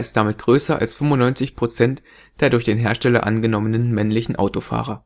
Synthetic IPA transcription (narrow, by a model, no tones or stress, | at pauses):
ɪstd̥amɪt̚ɡ̥ʁøːsɐʔa̰lsfʏmʊnːɔʏnt͡sɪçpʁ̥ot͡sɛnt | d̥eːɐɾʊɐçd̥eːnɦeːɐʃtɛlɐ̰ʔa̰nɡənɔmənənmɛnlɪçn̩ʔa̰ʊtofa̰ːʁɐ